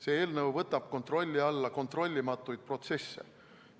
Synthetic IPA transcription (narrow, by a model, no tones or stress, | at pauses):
se̞ːeːlnəwvɤt̪ːˑɑb̥ko̞nt̪ro̞lʲːiɑlːɑko̞nt̪ro̞lʲːimɑt̪ːˑujd̪̚pro̞t̪se̞sːe̞̰